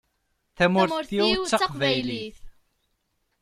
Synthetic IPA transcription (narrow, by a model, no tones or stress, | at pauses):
θæmʊɾθjuwt͡sːəqvæjliθ